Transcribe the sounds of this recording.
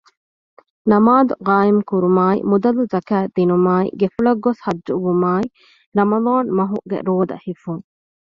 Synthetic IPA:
nɐmaːd̪uqaːimkuɾumaːḭmud̪ɐluzɐkæːd̪inumaːḭɡefuɭɐɡːoshɐd͡ʒːuʋumaːi | ɾɐmɐd̪aːnmɐɦṵɡḛɾoːd̪ɐ̰hifuŋ

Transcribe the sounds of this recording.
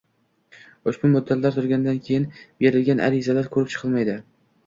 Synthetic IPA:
ʊʃbʊmʊd̪ːat̪laɾt̪ʰʊɾɡʲanɪd̪ankʲʰejɪnbeɾɪlɡʲanʔa̰ɾɪzalaɾkʰɵɾɪp̚t͡ʃʰɨ̥qʰɨlˠmajd̪ɪ

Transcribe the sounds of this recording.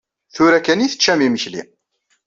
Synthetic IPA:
θʊɾækæniθə̥t͡ʃːæmiməçlḭ

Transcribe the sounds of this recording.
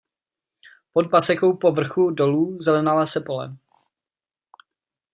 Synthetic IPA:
podbasɛko̞wpo̞vr̩xudo̞luːzɛlɛnalasɛpo̞lɛ̰

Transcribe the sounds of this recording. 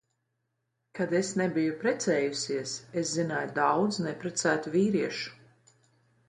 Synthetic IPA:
kad̪esnebijupɾɛt̪sɛːjusiɛseszinajud̪awd̪znɛpɾɛt̪sæːt̪uviːɾiɛʃu̥

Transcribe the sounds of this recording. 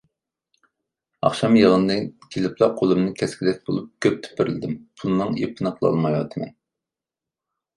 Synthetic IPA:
ɑ̰χʃɑmjɨlˠɨnd̪ɨkʲʰelɪpʰlˠɑqʰolˠɨmnɨkʲʰɛskʲilɛk̚ʲbo̰lˠup̚kʲʰøp̚t̪ʰy̥pɪɾɪlɪd̪ɪmpʰulˠnɨŋḛpʰɨnɨqlˠɑ̰lˠmɑjwɑ̰t̪ʰɨmɛ̰n

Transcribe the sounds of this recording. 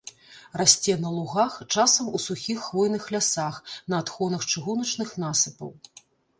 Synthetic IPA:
rasʲt͡sʲɛnɐlˠuɣaxt͡ʂasɐmusuxʲixːvɔjnɨxlʲasaxnɐːt̪xɔnɐxt͡ʂɨɣunɐt͡ʂnɨxnasɨpɐ̰w

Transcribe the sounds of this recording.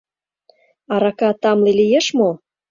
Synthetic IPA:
ɑɾɑkɑt̪ɑmlilijeʃmo

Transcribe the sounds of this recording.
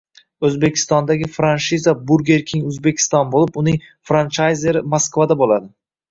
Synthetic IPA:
ɵzbe̞kʲʰɪ̥st̪ɒnd̪aɡʲɪfɾanʃizabuɾɡʲe̞ɾkʲʰɪŋɵzbekʲʰɪ̥st̪ɒnbolɪpʊnɪŋ | fɾant͡ʃajze̞ɾɪmoskvad̪abolad̪ɪ

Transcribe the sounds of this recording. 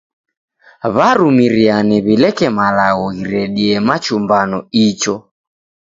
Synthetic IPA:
βaɾumiɾianɛβilɛkɛmalaɣɔɣiɾɛɗiɛmat͡ʃumbanɔit͡ʃɔ

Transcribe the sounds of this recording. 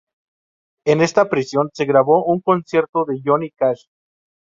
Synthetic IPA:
ene̞st̪apɾisjo̞nse̞ɣɾaβo̞ʔuŋko̞nsje̞ɾt̪oðe̞ʝonikaʃ

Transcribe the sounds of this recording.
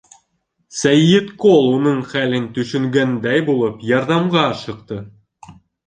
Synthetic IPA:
sæjːɘt̪kolˠunɤɴχælɘnt̪ɵʃɘ̆ŋɡænd̪æjbulˠɤpjɑɾðɑmʁɑʃɤ̆q̚t̪ɤ

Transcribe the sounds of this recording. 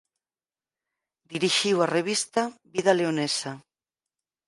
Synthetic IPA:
d̪iɾiʃiwareβ̞ist̪aβiðaleonesa

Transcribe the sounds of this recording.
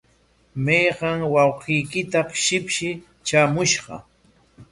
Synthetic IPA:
mɑjɢɑŋwɑwqijkɪt̪aqʃɪpʃɪ | t͡ʃaːmʊʃɢɑ̰

